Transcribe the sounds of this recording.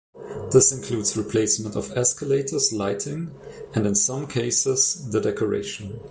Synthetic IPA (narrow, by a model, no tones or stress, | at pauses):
ðɪsɨ̃nkʰl̥uːdz̥ɹipʰl̥eɪsmə̃ntɔvɛskəleɪtʰə˞zlaɪtʰɪ̃ŋɨ̃ndɨ̃nsʌ̃mkʰeɪsɪz̥ðədɛkʰɔɹḛɪʃə̃n